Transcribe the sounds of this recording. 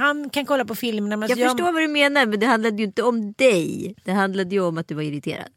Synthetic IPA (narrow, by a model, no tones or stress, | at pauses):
hankʰankʰɔlːapɔfɪlmɛɳamɛnajɑːɡœʂʈoːɾvad̪ɵmeːnaɾmɛnd̪ɛɦand̪lad̪əjɵɪnt̪əɔmd̪ɛjd̪̥ɛɦand̪lad̪əjɵɔmat̪̚d̪ɵvaɾɪɾɪt̪ʰḛːɾa̰d̪